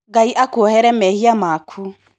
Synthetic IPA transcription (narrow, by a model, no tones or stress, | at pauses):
ɡaiʔakohɛɾɛmɛhiamaːkʰu